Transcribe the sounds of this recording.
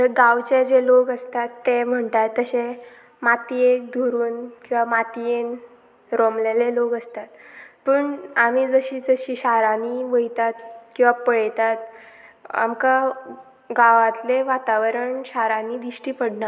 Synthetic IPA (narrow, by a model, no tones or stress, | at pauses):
t̪əɾɡaʋt͡ɕed͡ʑelokəst̪at̪ːem̤əɳt̪at̪ːəɕe | mat̪iek̚d̪ʱoɾuːnkĩw̃ʋamat̪ijen | ɾomlelelokəst̪at̪pəːɳam̤iːd͡zəɕiːd͡zəɕiːɕaɾaniʋəjt̪at̪̚kĩw̃ʋapəɽt̪at̪̚ | a̰mka | ɡaʋãt̪leʋat̪aʋɾəɳɕaɾanid̪iɕʈiːpəɽɳa